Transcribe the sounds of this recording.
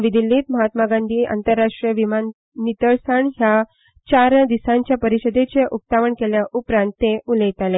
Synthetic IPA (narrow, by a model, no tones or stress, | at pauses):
ʋid̪ilːiːt̪məɦat̪maɡãnd̪ʱiːʔa̰nt̪əɾːaʂʈɾiəʋimanː | it̪əɭsəɳɦja | t͡ɕaɾd̪isãɲt͡ɕjapəɾiɕəd̪et͡ɕeʔup̚t̪aʋəɳkeljaʔupɾãnt̪ːeʔuləjt̪ale